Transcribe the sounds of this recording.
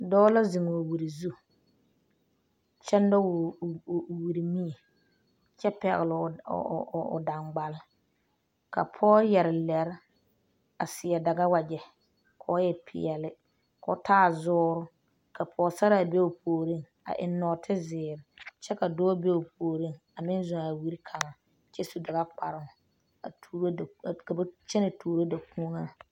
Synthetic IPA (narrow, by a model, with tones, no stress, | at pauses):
dɔː˦la˦zi˨ŋː˨wi˨ɾi˨zu˦ | t͡ʃɛ˦n˦dɔ˦w | wi˨ɾi˨mi˦e˨ | t͡ʃɛ˦pɛ˨ɣɪ˨lɪ̰˨ | ʊ̰˨da˨ŋɡ͡ba˨l | ka̰˨pʰɔː˦jɛ˨ɾɪ˨lɛ˨ɾɪ˦ | a˨sɪ˨ɛ˨da˨ɡa˦wa˨d͡ʒɛ˨ | kʰɔ˦jɛ˦˨pʰɪ̰˨ɛ˨lɪ˦ | kʰɔ̰˨˦tʰaː˦˨zʊː˦ɾʊ˦ | kʰa˨pʰɔː˨˦sa˦ɾa˦˨be˦o˨poː˨ɾi˦˨ŋ | a̰˨ʔɪ˨nːɔː˨tʰɪ˦zɪː˨ɾɪ˨t͡ʃɛ˦ka˨dɔː˦be˦o˨pʰoː˨ɾi˦˨ŋ | a˨mɪ˦nzʊ˨a˨wi˦ɾi˦kʰa˨ŋa˨ | t͡ʃɛ˦su˨da˨ɣa˦k͡pa˨ɾɪ˨ | a˨˦ɾka˨ba˦t͡ʃɛ˦na˨tuː˨ɾo˦da˨ku˦o˦ŋa˦